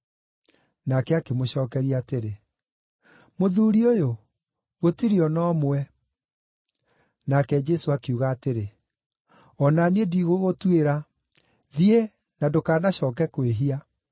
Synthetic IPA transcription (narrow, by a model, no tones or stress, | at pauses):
nakɛakemoɕɔːkɛɾiateɾe | moðuɾiojo | ɣotiɾiɔnɔːmwɛ | nakɛd͡ʒɛsoakeuɣaːteɾe | ɔnaniediɣoɣotweɾa | ðie | nadokaːnaɕɔːk̬ɛkweɦia